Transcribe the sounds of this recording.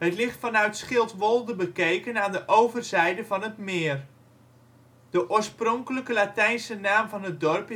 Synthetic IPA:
ɦətlɪχtfɑnœɥtsχɪlˠtʋolˠdəbəkejkənaːndəʔowvərzɛjdəvɑnətmɪːər | d̥əʔʊːɹsprɔŋkələkəlatɛjnsənaːmvɑnɦət̚dɔrp

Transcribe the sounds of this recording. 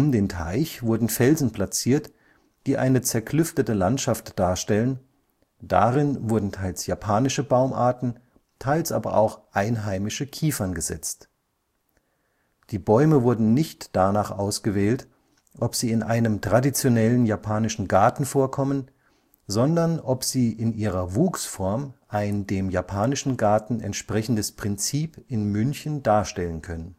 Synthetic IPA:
ʔʊmdeːntʰa̰ɪçv̥ʊɐdn̩fɛlzn̩pl̥at͡siːɐt | d̥iːʔa̰ɪnət͡sɛɐkʰlʏftətəlantʃaftd̥aːɐʃtɛlən | d̥a̰ʁɪnvʊɐdn̩tʰaɪlsjapʰaːnɪʃəbaʊmʔa̰ːɐtn̩ | tʰaɪlsʔa̰ːbɐ̰ʔa̰ʊxʔaɪnɦaɪmɪʃəkʰiːfɐnɡəzɛ̰t͡st | d̥iːbɔʏməvʊɐdn̩nɪçtd̥anaːχʔaʊsɡ̥əvɛːlt | ʔɔpz̥iːɪnʔaɪnəmtʁ̥adit͡sjonɛlənjapʰaːnɪʃn̩ɡaɐtn̩foːɐkʰɔmən | zɔndɐnʔɔpz̥iːʔɪnʔiːʁɐvuːksfɔɐmʔaɪndeːmjapʰaːnɪʃn̩ɡaɐtn̩ɛ̰ntʃpʁ̥ɛçn̩dəspʁ̥ɪnt͡siːpɪnmʏnçn̩d̥aːɐʃtɛlənkʰœnən

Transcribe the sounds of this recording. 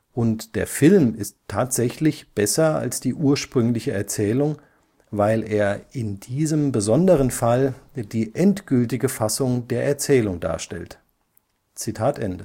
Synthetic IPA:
ʔʊntd̥eːɐfɪlmɪstʰːaːtz̥ɛçlɪçb̥ɛsɐa̰lsd̥iːʔuːɐʃpʁ̥ʏŋlɪçəɛɐt͡sɛːlʊŋ | vaɪleːɐʔɪndiːzəmbəzɔndəʁənfald̥iːʔɛntɡ̥ʏltɪɡəfasʊŋdeːɐʔɛɐt͡sɛːlʊŋda̰ːɐʃtɛ̰lt | t͡sitʰaːtʔɛndə

